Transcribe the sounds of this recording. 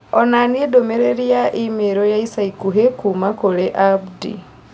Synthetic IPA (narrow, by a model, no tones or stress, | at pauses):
onaniedomeɾeɾjaʔimeɾojaisaikuɦekumakoleʔabdḭ